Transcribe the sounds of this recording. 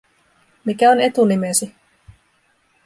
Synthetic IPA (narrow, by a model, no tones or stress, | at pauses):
mikæone̞t̪unimesi